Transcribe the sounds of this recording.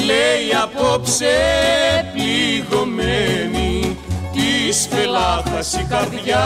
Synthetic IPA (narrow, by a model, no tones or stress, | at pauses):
leiɐpopse | pliɣomenit̪ispelakɐsikɐɾʝa